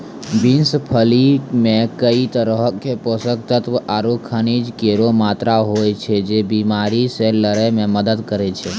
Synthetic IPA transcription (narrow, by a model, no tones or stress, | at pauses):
binsəpʰəlimẽkəit̪əɾəɦəkʰːeposək̚t̪ət̪ʋaːɾokʰːənid͡ʒkeɾomaːt̪ɾaɦot͡ʃʰed͡ʒebimaɾiselːəɾəjmẽməd̪əd̪kəɾet͡ʃʰe